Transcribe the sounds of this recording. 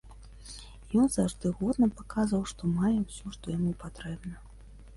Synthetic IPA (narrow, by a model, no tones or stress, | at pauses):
jɔnzaʐd̪ɨɣɔd̪̚nɐpakazvɐwʂt̪ɔmajɛwsʲɔʂt̪ɔjamupat̪ɾɛbnɐ